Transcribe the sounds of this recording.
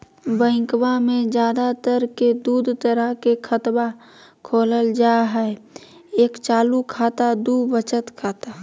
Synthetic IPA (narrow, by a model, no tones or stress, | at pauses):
bə̃ɪ̃kbamẽd͡ʒjaːd̪at̪əɾked̪uːd̪ʱt̪əɾəɦkekʰət̪ba | kʰoːləld͡ʒaɦɛe | eːkt͡ʃaːlukʰaːt̪ad̪ubət͡ʃət̪kʰat̪a